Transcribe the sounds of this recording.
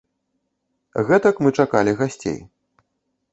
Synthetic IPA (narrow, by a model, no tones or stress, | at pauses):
ɣɛt̪ɐkmɨt͡ʂakalʲiɣasʲt͡sʲḛj